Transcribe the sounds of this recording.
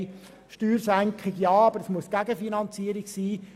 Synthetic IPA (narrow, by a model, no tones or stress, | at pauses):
ʃtyːɾsæŋkχɪɡjɑːɑbəɾəsmuəsɡ̥æɡəfinɑnt͡siːəɾɪɡsiː